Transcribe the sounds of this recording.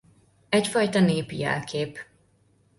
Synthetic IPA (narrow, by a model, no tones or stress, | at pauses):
ɛcfɒjt̪ɒneːpḭjɛ̰lkʰeːp